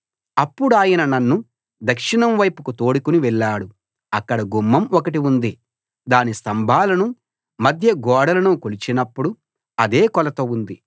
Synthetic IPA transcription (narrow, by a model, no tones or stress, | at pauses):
ɐpːuɽuaːjɐnɐnɐnːu | d̪ɐkʂinɐmʋɐjpukut̪o̞ːɽukuniʋɛɭːaːɽu | ɐkːɐɽɐɡumːɐmɔkɐʈ̬iund̪i | d̪aːnist̪ɐmbʱaːlɐnu | mɐd̪ʱjɐɡɔːɽɐlɐnukolit͡ʃinɐpːuɽu | ɐd̪eːkɔlɐt̪o̞ːund̪i